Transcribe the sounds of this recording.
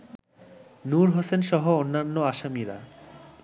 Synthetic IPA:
nuɾɦosenʃɔɦoonːanːoaʃamiɾa̰

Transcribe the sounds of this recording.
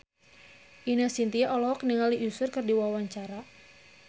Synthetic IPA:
ʔinasint̪iaʔɔlɔɦɔkniŋaliʔusʊrkɨrdiwawaɲt͡ʃaɾa

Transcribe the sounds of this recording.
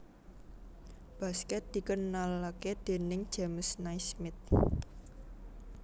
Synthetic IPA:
b̥a̤skɛt̪̚d̪̥i̤kənalaked̪̥e̤nɪŋ̥ʒ̥aməsnajsmɪt̪̚

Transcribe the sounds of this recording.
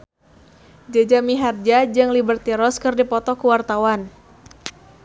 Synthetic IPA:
d͡ʒad͡ʒamiɦard͡ʒad͡ʒɨŋlibərt̪iɾɔskɨrdipɔt̪ɔkuwart̪awan

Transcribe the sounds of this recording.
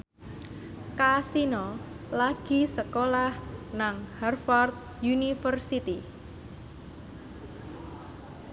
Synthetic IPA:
kasinɔ | laɡ̥i̤səkolahnaŋhɛrfɔrt̪̚ | junifərsit̪i

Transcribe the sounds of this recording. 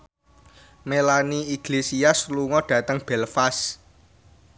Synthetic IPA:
melaniiɡ̥lesiasluŋɔɖ̥ä̤t̪əŋb̥ɛlfas

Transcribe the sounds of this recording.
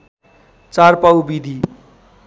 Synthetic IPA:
t͡sarpawbid̪ʱi

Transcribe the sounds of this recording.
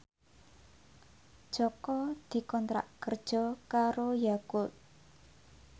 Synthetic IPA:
ʒ̥ɔkɔd̪̥i̤kɔnt̪ɾa̰ʔkərd̥ʒ̥ɔ̤kaɾojakʊt̪̚

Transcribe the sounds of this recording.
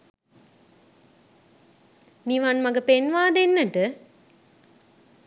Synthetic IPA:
niʋanmɐɡəpenʋaːd̪enːəʈə

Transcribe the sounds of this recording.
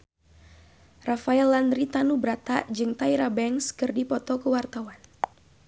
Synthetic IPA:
rafaɛlːandɾit̪anubɾat̪ad͡ʒɨŋt̪aiɾabɛŋskɨrdipɔt̪ɔkəwart̪awan

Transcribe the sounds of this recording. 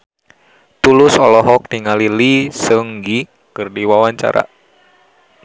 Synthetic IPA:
t̪ulusɔlɔɦɔk̚t̪iŋalilisəŋɡi | kɨrdiwawaɲt͡ʃa̰ɾʔa̰

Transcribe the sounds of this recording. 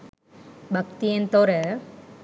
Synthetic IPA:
bʱɐk̚t̪ijent̪oːɾɐ

